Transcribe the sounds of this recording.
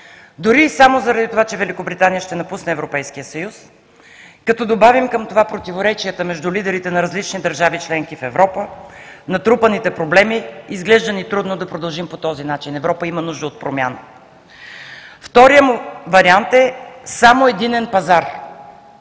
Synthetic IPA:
d̪ʊɾisamozɐɾɐd̪it̪ovat͡ʃɛvɛlʲikobɾit̪anijəʃt̪ɛnɐpusnɛɛvɾopɛjskijəsɐjus | kɐt̪ɔd̪obavimkəmt̪ovapɾot̪ivoɾɛt͡ʃiət̪əmɛʒd̪ulid̪ɛɾit̪ɛnɐɾɐzlit͡ʃnid̪əɾʒavit͡ʃlɛŋkifɛvɾɔpənɐt̪ɾupənit̪ɛpɾoblɛmiːzɡlɛʒd̪ənit̪ɾud̪nod̪ɐpɾod̪ɐlˠʒimpot̪ɔzinat͡ʃinɛvɾɔpəimɐnuʒd̪əot̪̚pɾomʲja̰nə | ft̪ɔɾijəmuvɐɾiant̪ɛsamoɛd̪inɛnpɐzaɾ

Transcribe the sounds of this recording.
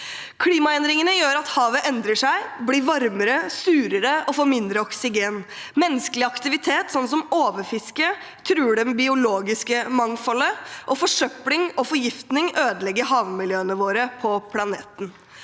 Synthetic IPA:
kʰliːmɑɛnd̪ɾɪŋənəjøːɾɑt̪hɑːʋəʔɛnd̪ɾəʂæɪbliːɾʋɑɾməɾəsʉːɾəɾəɔfoːɾmɪnd̪ɾəɔksɪɡeːn | mɛnːəskəlɪɑkt̪ɪʋɪt̪ʰeːt̪sɔnːsɔmoːʋəɾfɪskə | t̪ʰɾʉːɖɛmbɪʊloːɡɪskəmɑŋfɔləʔɔfɔʂœplɪŋɔfɔɾjɪft̪nɪŋøːd̪əlɛɡːəɦɑːʋmɪljøːənəʋoːɾəpʰɔpʰlɑneːt̪n̩

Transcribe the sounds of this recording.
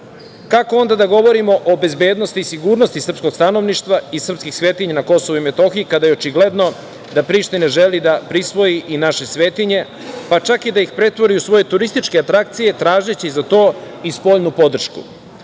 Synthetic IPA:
kakoo̞nd̪ad̪aɡo̞ʋo̞ɾimo̞ʔobe̞zbe̞ːd̪no̞st̪isiɡuːɾno̞st̪isr̩psko̞ɡst̪ano̞ʋniʃt̪ʋaisr̩pskixsʋe̞ːt̪iɲanako̞so̞ʋuime̞t̪o̞xiikad̪ajeot͡ʃiɡle̞d̪no̞ | d̪apɾiːʃt̪ineʒe̞lid̪apɾisʋo̞jiʔinaʃe̞sʋe̞ːt̪iɲe̞ | pat͡ʃakid̪aixpɾe̞t̪ʋo̞ɾijusʋo̞je̞t̪uɾist̪it͡ʃkeat̪ɾak̚t̪sije̞t̪ɾaːʒet͡ɕizat̪o̞ː | ispo̞ʎnupo̞d̪r̩ʃkṵ

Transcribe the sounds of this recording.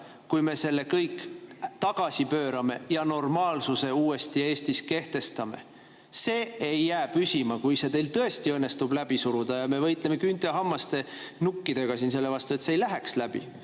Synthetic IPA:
kujme̞se̞lːe̞kɤjkːˑt̪ɑɡ̥ɑsipøːɾɑme̞jɑno̞rmɑːlsuse̞uːe̞st̪ie̞ːst̪iske̞ht̪e̞st̪ɑme̞̰ | se̞ːejːæːbysʲimɑkujse̞t̪e̞jlt̪ɤe̞st̪iɤnːe̞st̪ublæb̥isuɾud̪̥ɑjɑme̞vɤjt̪ˑle̞me̞kynt̪ˑeɑɦɑmːɑst̪e̞ | nukːid̪̥e̞ɡ̥ɑsinse̞lːe̞vɑst̪ue̞t̪seejlæɦekslæb̥ḭ

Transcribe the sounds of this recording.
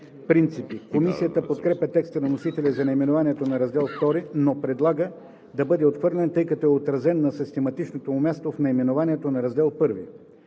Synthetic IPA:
pɾint̪sipikomisijət̪əpot̪kɾɛpʲjɐt̪ɛkst̪ənɐnosit̪ɛlʲɛzɐnɛimɛnovaniɛt̪onɐɾɐzd̪ɛlˠft̪ɔɾinopɾɛd̪lˠaɡə | d̪ɐbɤd̪ɛot̪xvɤɾlʲɛnt̪ɤjkɐt̪oɛot̪ɾɐzɛnːɐsist̪ɛmɐt̪it͡ʃnot̪omumʲast̪ofnɛimɛnovaniɛt̪onɐɾɐzd̪ɛlˠpɤɾvḭ

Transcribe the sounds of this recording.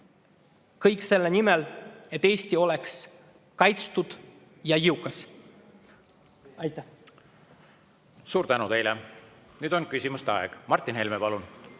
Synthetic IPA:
kɤjkse̞lːenimele̞t̪ːe̞ːsʲt̪io̞leks | kɑjt̪st̪ud̪̥ | jɑiukːˑɑs | ɑjt̪ːæ | suːɾt̪ænut̪e̞jlɛ | nyːd̪o̞nkysʲimust̪eɑ̰ḛɡ̥mɑrt̪ˑːinɦelmepɑlun

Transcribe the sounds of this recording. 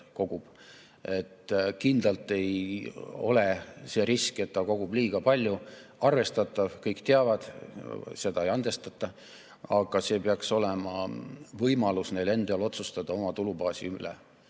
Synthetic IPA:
ko̞ɡ̥ub̥ | e̞t̪ːkind̪lɑlt̪ˑe̞j | o̞̰le̞se̞ːɾiske̞t̪ːɑko̞ɡ̥ub̥liːɡ̥ɑpɑlʲjuɑrve̞st̪ɑt̪ːˑɑvkɤjkt̪eɑvɑd̪̥se̞d̪ɑejɑnd̪̥e̞st̪ɑt̪ːˑɑ | ɑɡ̥ɑse̞ːpeɑkso̞lemɑvɤjmɑlusne̞jle̞nd̪̥eɑlo̞t̪sust̪ɑd̪̥ɑo̞mɑt̪ulubɑːsḭylḛ

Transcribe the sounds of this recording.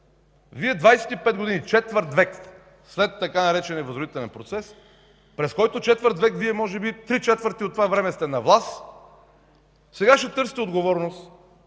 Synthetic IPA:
viɛd̪vajsɛ̥t̪ipɛd̪ɡod̪init͡ʃɛt̪vəɾt̪vɛk | slɛt̪ːɐkanɐɾɛt͡ʃɛniɛɐvəzɾd̪it̪ɛlɛnpɾot̪sɛs | pɾɛskɔjt̪ot͡ʃɛt̪vəɾt̪vɛkviɛmɔʒɛbit̪ɾit͡ʃɛt̪vəɾt̪iot̪ːovavɾɛmɛst̪ɛnɐvlˠas | sɛɡaʃɛt̪ɤɾsi̥t̪ɛod̪ɡovɔɾnost̪

